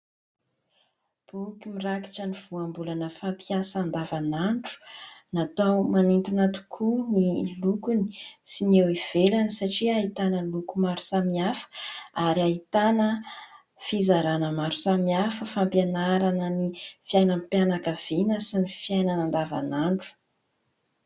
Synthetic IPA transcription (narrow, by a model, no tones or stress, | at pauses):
b̥ukimiraki̥ʈ͡ʂəniv̥uambulanəfampiasaand̪avanaɳʈ͡ʂu̥nat̪awmanint̪unat̪u̥kʰunilukuni̥sinewiv̥elanəsaʈ͡ʂiait̪anəlukumaɾu̥samiafə̥aɾiait̪anə | fizaɾanəmaɾu̥samiafəfampjenaɾanənifiajnampjanakəv̥inəsinifiajnanand̪ava̰naɳʈ͡ʂu̥